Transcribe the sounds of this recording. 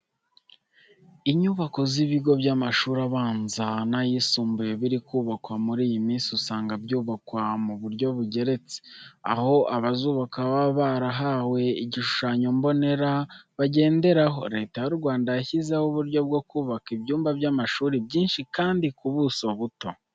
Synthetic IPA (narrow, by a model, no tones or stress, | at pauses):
iɲuːβako̞ziβiɡo̞bjaːmaʃuːɾaβaːnzanajisuːmbujeβiɾikuːβakwamuɾiːjimiːnsiusaːŋɡabɟuːβakwamuβuɾɟo̞βuɟe̞ɾe̞t͡se̥a̰ho̞ʔaβazuːβakaβaβaɾaɦawe̞iɟiʃu̥ʃaːɲo̞mbo̞ne̞ɾaβaɟe̞ːnde̞ɾaɦo̞ɾe̞ːtajuɾɡwaːndajaçizehuβuɾɟo̞b̚ɡo̞kuːβakibjuːmbabjamaʃuːɾibɟiːnʃikaːndikuβusoβuto̞